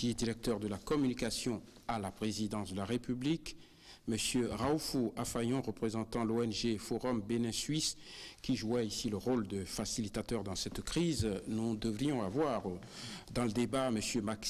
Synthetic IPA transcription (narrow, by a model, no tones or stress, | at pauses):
kʲiɛd̪iʁɛk̚t̪œʁd̪əlakɔmynikasjɔ̃ | alapχezid̪ɑ̃sd̪əlaʁepyblik | məsjøʁaufuafajɔ̃ʁəpχezɑ̃t̪ɑ̃loɛnʒefɔʁɔmbenɛ̃sɥiskʲiʒuaisiləʁold̪əfasilit̪at̪œʁd̪ɑ̃sɛt̪kχiznud̪əvʁijɔ̃avwaʁ | d̪ɑ̃ləd̪ebaməsjømak